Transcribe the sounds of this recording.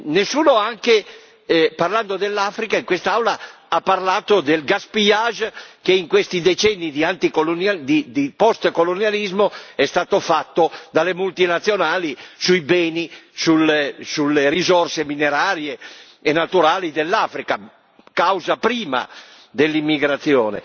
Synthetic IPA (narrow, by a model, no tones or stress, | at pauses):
nesːuːnoaŋke | parland̪od̪elːafɾikaiŋkwest̪aawla | apːarlaːt̪od̪elɡaspiaʒkeiŋkwest̪id̪et͡ʃɛnːid̪iant̪ikolonad̪id̪ipɔst̪kolonjalizmoɛst̪aːt̪ofat̪ːod̪alemult̪inat̪sːjonaːlisujbɛːnisulːesulːeɾizɔrsemineɾaːɾje | enat̪uɾaːlid̪elːaːfɾika | kawzapɾiːma̰ | d̪elːimːiɡɾat̪sːjɔ̰ːnḛ